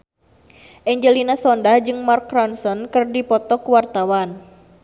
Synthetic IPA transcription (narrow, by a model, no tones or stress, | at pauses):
ʔɛɲd͡ʒəlinasɔndahd͡ʒɨŋmarkːɾɔnsɔnkɨrdipɔt̪ɔkuwart̪awan